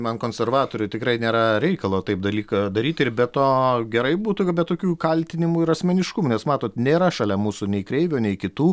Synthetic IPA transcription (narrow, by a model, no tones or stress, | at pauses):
mɐnkoːnʲsʲɛrʋɑːt̪oːɾʲʊt̪ʲɪkɾɐɪnʲeːɾɐɾʲɛɪkɐlˠoːt̪ɐɪp̚d̪ɐlʲiːkɐd̪ɐɾʲiːt̪ɪrbʲɛtt̪oːɡʲɛɾɐɪbuːt̪ubʲɛt̪ːoːkʲuːkɐlʲt̪ʲɪnʲɪmuɪɾɐsʲmʲɛnʲɪʃkʊmuːnʲɛsmɑːt̪oːt̪nʲeːɾɐʃɐlʲɛmuːsunʲɛɪkɾʲɛɪʋʲoːnʲɛɪkʲɪt̪uː